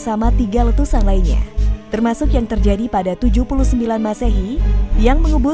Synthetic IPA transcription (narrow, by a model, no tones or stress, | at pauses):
samat̪iɡalət̪usanlainɲa̰t̪ərmasʊkjaŋt̪ərd͡ʒadipadat̪ud͡ʒupuluhsəmbilanmaseɦijaŋməŋubʊ